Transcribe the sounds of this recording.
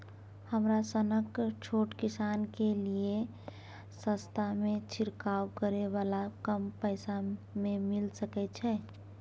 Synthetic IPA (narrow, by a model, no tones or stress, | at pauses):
həmɾasənəkt͡ʃʰoʈkisankelie | sə̃st̪ʰamẽt͡ʃʰiɾkawkəɾeʋalakəmpəɪsamemilsəkɛt͡ʃʰɛː